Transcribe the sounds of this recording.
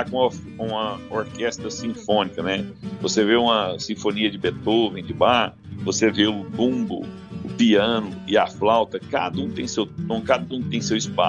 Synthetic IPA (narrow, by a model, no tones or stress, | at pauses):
akõkõɐoɾkɛst̪ɾɐsĩfõnikɐnɛvoseveũmɐsĩfõniɐd͡ʒɪbet̪ovẽj̃d͡ʒɪbaɾ | voseveʊbũbʊ̰ | ʊpiɐ̃nʊɪaflawt̪ɐkad̪ɐũt̪ẽj̃sewõkad̪ɐũt̪ẽj̃sewispa̰